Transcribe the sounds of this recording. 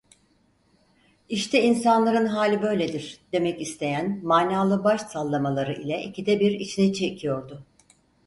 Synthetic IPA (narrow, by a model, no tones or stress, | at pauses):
iʃt̪ʰɛinsanlˠaɾɯnɦaːlʲibø̞jlʲed̪iɾd̪e̞mɛcist̪ʰe̞jænmaːnaːlˠɯbaʃsalˠːamalˠaɾɯʔilʲɛʔicʰid̪ɛbiɾit͡ʃʰinit͡ʃʰecʰijo̞ɾd̪ʊ